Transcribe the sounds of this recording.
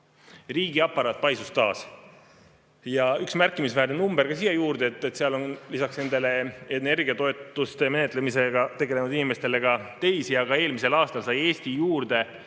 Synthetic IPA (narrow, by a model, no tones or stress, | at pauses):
riːɡ̥iɑpːɑɾɑːt̪̚ˑːpɑjsust̪ɑːs | jɑyksmærkːˑimisvæːɾnenumb̥erɾɡ̥ɑsiːjɑjuːrd̪̥eet̪ːˑet̪ːseɑlo̞nlisɑksne̞nd̪e̞le̞ene̞rɡ̥iɑt̪o̞e̞t̪ːˑust̪e̞me̞net̪ːˑlemise̞ɡ̥ɑt̪e̞ɡe̞le̞nud̪inime̞st̪e̞le̞ɡ̥ɑt̪e̞jsiɑɡ̥ɑe̞ːlmise̞lɑːst̪ɑlsɑje̞ːst̪ijuːrd̪e̞